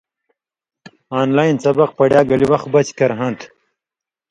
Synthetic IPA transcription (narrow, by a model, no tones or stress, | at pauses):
aːnlaːjnsɐbɐq̚pɐɽjaːɡɐliwɐx̚bɐt͡ɕkɐɾɦɐ̃nt̪ʰ